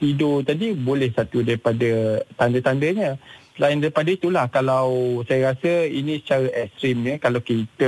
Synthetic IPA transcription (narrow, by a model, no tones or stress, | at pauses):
t̪idot̪adibolɛhsat̪udaɾipadət̪andət̪andəɲə̃slaɪndaɾipadəit̪ulahkalawsajaɾasəinĩsə̥t͡ʃaɾaʔɛst̪ɾimɲəkalawkit̪ə